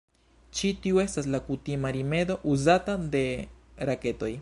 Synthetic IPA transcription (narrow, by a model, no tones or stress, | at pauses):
t͡ʃit̪iue̞st̪aslakut̪imaɾimed̪o̞ʔuzat̪ad̪e̞ɾake̞t̪o̞j